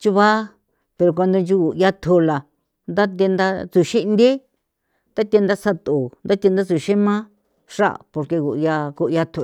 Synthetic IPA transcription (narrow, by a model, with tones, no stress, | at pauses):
t͡ʃu˦βa˦ | pe˧ɾo˧k̬ʷa˧nd̪o˧nd͡ʒu˧ku˨ja˧t̪ʰu˧la˨ | nd̪a˦t̪̬e˧nd̪a˧t͡su˧ʃi˦ʔnd̪i˦ | t̪a˦t̪ʲe˧nd̪a˦sa˧t̪u˨nd̪a˦t̪ʲe˧nd̪a˦t͡su˧ʃi˦mã˦ | ʂa̰˦˨po˧ɾke˧ku˨˧ja˧ku˧ʔja˧t̪ʰu˧˨